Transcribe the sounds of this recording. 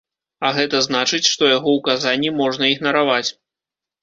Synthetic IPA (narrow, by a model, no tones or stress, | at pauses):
ɐɣɛt̪ɐznat͡ʂɨt͡sʲʂt̪ɔjaɣɔwkazanʲːimɔʐnɐiɣnɐɾavat͡sʲ